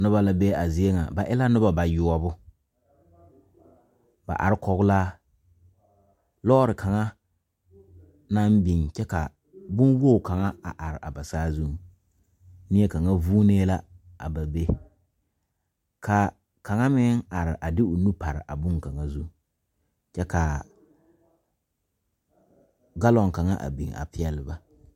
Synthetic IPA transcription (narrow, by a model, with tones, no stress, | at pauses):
nʊ˦ba˦la˦be˦a˨zɪ˦e˦ŋa̰˨ba˨ʔɪ˦la˦nʊ˦ba˨ba˨jʊ˨ɔ˦bʊ˦ | ba̰˨ʔa̰˨ɾɪ˦kɔ˨ɣʊ˦laː˦ | lɔ˦ɾɪ˨kʰa˨ŋa˦ | na˦m˦bi˨ŋt͡ʃɛ˦ka̰˨ | bʊ˦nwo˦˨ka˨ŋa˦a̰˨ʔa˨ɾɪ˨ʔa˨ba˨saː˦zu˦ | nɪ˦ɛ˦ka˨ŋa˦vuː˦neː˦la˦ | a̰˨ba˨be˦ | kʰa˨ | ka˨ŋa˦mɪ˦ŋa˨ɾɪ˨ʔa˨dɪ˦ʊ˨nu˦pa˨ɾɪ̰˨ʔa˨bʊ˦ŋka˨ŋa˦zu˦ | t͡ʃɛ˦ka˨ | ɡa˦lɔ˨ŋ˨ka˨ŋa˦ʔa̰˨bḭ˨ŋa̰˨pɪ˦ɛ˨lɪ˨ba˨